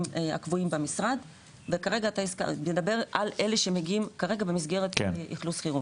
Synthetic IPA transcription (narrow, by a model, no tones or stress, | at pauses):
ea̰kvuimbamisʁad | vekaʁe̞ɡaːt̪aiska̰ed̪abe̞ʁʔalʔe̞leʃe̞meɡiimkaʁe̞ɡabemisɡe̞ʁet̪kʔḭχlusχiʁu